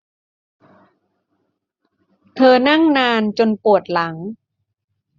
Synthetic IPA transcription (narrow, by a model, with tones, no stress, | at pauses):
t̪ʰɤː˧na˥˩ŋnaː˧nt͡ɕo˧npu˨˩ət̪̚la˩˦ŋ